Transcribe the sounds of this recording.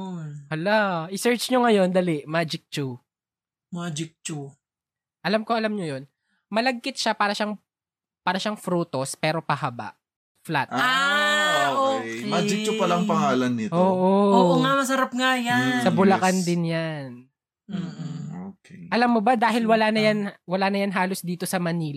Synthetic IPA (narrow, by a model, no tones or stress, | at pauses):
ɐlaʔɪsɛɹt͡ʃɲoŋɐjo̞nd̪ɐlɪʔmaːd͡ʒɪk̚t͡ʃu | maːd͡ʒɪk̚t͡ʃu | ʔɐlamko̞ʔɐlamɲojon | mɐlɐɡ̚kɪt̪̚ʃapaːɾɐʃaŋ | paːɾɐʃaŋfɾuːt̪o̞spɛːɾo̞pɐɦɐba̰ʔ | flat̪a | oʔomaːd͡ʒɪk̚t͡ʃʊpɐlɐŋpɐŋaːlɐnːɪtoːʔooːoŋamɐs̬ɐɾap̚ŋajansɐbʊlɐkand̪ɪnjan̩ː | okɛʔɐlamːobad̪aːɦɪlwɐlaːnɐjanwɐlaːnɐjanɦaːlosd̪iːt̪osɐmɐniːl